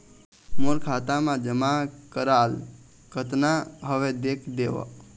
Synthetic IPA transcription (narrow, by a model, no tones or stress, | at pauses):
moɾkʰat̪amãd͡ʒəmakəɾal | kət̪naɦəʋed̪eːkʰd̪eʋə̰k